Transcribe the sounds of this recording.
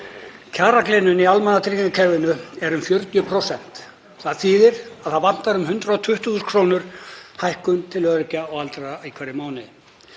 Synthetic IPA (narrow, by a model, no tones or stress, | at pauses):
cʰaːɾaklɪːnʏnialmanːat̪ʰɾiciŋkacʰɛɾvɪnʏɛɾʏmfjœɾt̪jʏpʰɾowsɛn̥t̪ | θaðθiːðɪɾaðθaðvan̥t̪aɾʏmhʏnt̪ɾaɔt̪ʰʏht̪ʏɣʏskʰɾoːnʏɾ̥hajhkʏnt̪ʰɪlœðɾɪcaɔɣalt̪ɾaikʰvɛɾɪmaːwnɪð